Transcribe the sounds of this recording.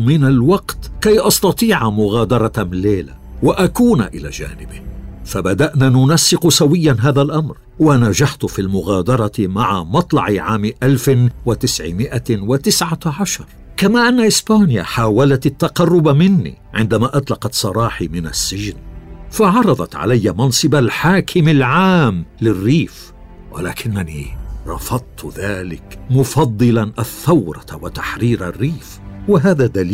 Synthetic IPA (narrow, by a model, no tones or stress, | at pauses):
mɪnalwɑqt̪kajʔɑst̪ɑt̪ˤiːʕamʊɣaːd̪ɑɾˤɑmleːla̰ | waʔakuːna̰ʔɪla̰ːd͡ʒa̰ːnɪbɪhfabad̪aʔnanʊnasːɪqʊsawɪjːanɦaːðalʔamɾ | wanad͡ʒaħt̪ʊfiːlmʊɣaːd̪ɑɾˤɑmaʕa̰mɑt̪ˤlɑ̰ʕʕaːmʔalfɪwat̪ɪsʕɪ̰mɪʔawat̪ɪsʕaʕaʃɑɾˤ | kamaːʔanːaʔɪsbaːnɪja̰ħaːwalat̪at̪ːaqɑrˤːʊbmɪnːḭ | ʕɪnd̪amaːʔɑt̪ˤlɑqɑt̪sˤɑɾˤɑːħimɪna̰sːɪʒnfaʕɑɾˤɑd̪ˤɑt̪ʕa̰lajːamɑnsˤɨbalħaːkʰɪmalʕaːmlɪrːiːf | wa̰laːkɪnːanḭːɾˤɑ̰fɑd̪̚ˤt̪ˤðaːlɪ̰kmʊfɑd̪ˤːɨlanʔaθːawɾˤɑwat̪aħɾiːɾʔa̰rːiːfwaɦaːðad̪alː